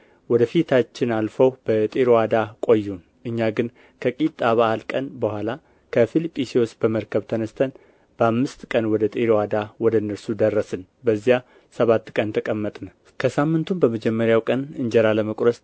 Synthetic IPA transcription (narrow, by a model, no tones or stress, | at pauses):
wɔd̪əfit̪ʰat͡ʃːɪnalfəwb̥ət̪ʼeɾowad̪akʼo̞jːun | ʔɨɲːaɡɨn | kʰəkʼit̪ʼːaβaʔalkʼənbəhʷala | kʰəfilipʼːisiosbəməɾkʰəβt̪ʰənəst̪ʰən | bəamːɨst̪kʼənwɔd̪ət̪ʼeɾwad̪awɔd̪əɨnːəɾsud̪ərːəsɨn | bəzːija | səβat̪ːkʼənt̪ʰəkʼəmːət̪ʼnə | kʰəsamːɨnt̪ʰumbəməd͡ʒɛmːəɾjawkʼənɨɲd͡ʒɛɾaləməkʷʼɾəs